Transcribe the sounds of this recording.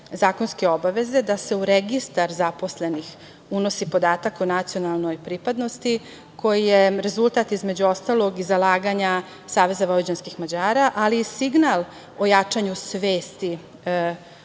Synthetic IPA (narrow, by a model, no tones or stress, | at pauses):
zaːko̞nske̞o̞baʋe̞ze̞d̪ase̞uɾeɡist̪aɾzapo̞sle̞nix | uno̞sipo̞d̪aːt̪akonat̪sijo̞nalˠno̞jpɾipad̪no̞st̪i | kʰo̞jijeɾe̞zulˠt̪at̪izme̞d͡ʑuo̞st̪alˠo̞ɡizalaːɡaɲa | saːʋe̞zaʋolid͡ʑanskixmad͡ʑaːɾaʔaliːsiɡnal | o̞jat͡ʂaɲusʋeːst̪i